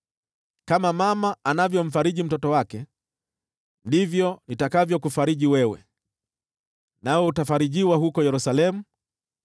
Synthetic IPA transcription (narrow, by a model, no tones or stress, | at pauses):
kamamamaanavjɔm̩faɾiʄim̩tɔtɔwakɛ | ndivjɔnitakavjɔkufaɾiʄiwɛwɛ̰ | naɔutafaɾiʄiwaɦukɔjɛɾusalɛmu